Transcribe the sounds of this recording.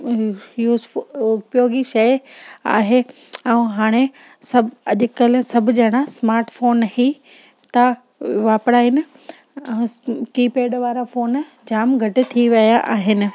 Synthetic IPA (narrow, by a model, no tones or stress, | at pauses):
juːzfʊpjoːɡiʃɐja̰ːɦeɛ̃ːɦaːɽ̃e | sɐbɐʄʊkɐl̆sɐbʱʊd͡ʑɐɪɽ̃asmaːɾʈfoːnhi | t̪ɐ | ʋaːpɽaːɦɪnɪ̆ | ɛ̃kiːpeːɖʋaːɾafoːn | d͡ʑaːmɡʱɐʈɪ̆t̪ʰiʋɐjaʔaːɦɪnɪ̆